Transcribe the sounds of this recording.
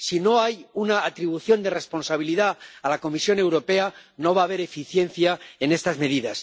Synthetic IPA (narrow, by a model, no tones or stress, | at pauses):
sino̞ajunaːt̪ɾiβ̞uθjo̞nd̪e̞re̞spo̞nsaβ̞iliðaalako̞misjo̞ne̞wɾo̞pe̞ano̞βaːβe̞ɾe̞fiθje̞n̟θjae̞ne̞st̪azme̞ðiðas